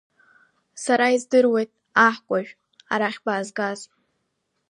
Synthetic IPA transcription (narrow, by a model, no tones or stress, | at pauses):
saɾaizdɨrwe̞jtʼ | aħkʷʼaʒᶣ | aɾaχʲbaːzɡaz